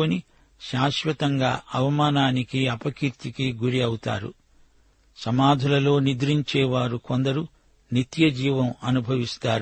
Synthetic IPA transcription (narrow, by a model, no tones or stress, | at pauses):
oni | ʃaːʃʋɐt̪ɐŋɡa̰ːʔɐʋɐmaːnaːnikiɐpɐkiɾt̪ikiɡuɾiɐwut̪a̰ːɾṵ | sɐmaːd̪ʱulɐlo̞ːnid̪ɾiɲt͡ʃɛːʋaːɾukond̪ɐɾu | nit̪jɐd͡ʒiːʋɐmɐnubʱɐʋist̪aːɾ